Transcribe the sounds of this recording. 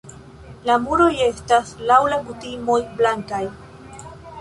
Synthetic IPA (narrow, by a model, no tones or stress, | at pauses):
lamuɾo̞je̞staslawlaɡutimo̞jblaŋkaj